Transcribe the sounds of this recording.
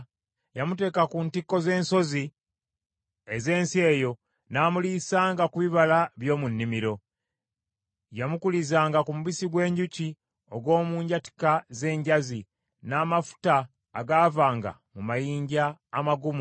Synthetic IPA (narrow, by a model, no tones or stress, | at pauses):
jamute̞ːkakuntikːo̞ze̞ːnso̞zi | eze̞ːnsie̞ːjo̞ | naːmuliːsaːŋɡakuβiβalaβjo̞ːmunːimiɾo̞ | jamukulizaːŋɡakumuβisiɡwe̞ːɲɟuci | o̞ɡwo̞ːmuːɲɟati̥kaze̞ːɲɟazi | naːmafu̥taː | ɡaːvaːŋɡa̰ | mumajiːɲɟaːmaɡumu